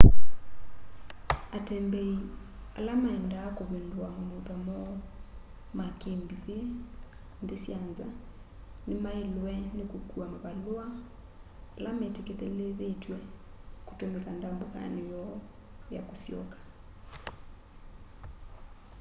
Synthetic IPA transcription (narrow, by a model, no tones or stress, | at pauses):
atɛmbɛi | a̰lamaɛndaːkoβendwamomoðamɔ | makembiðe | ndesjanza̰ | nemaelwɛnekokuamoβaloaː | lamɛtekeðeleðetwɛ | ko̥tomɛkandamboka̰nejɔ | ja̰kosjɔ̰kḁ